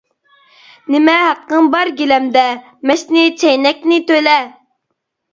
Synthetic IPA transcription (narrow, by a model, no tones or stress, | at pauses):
nɪmɛɦæqːəŋbɑɾɡʲilɛmd̪ɛ | mɛʃnɪt͡ʃʰɛjnɛk̚ʲnɪt̪ølɛ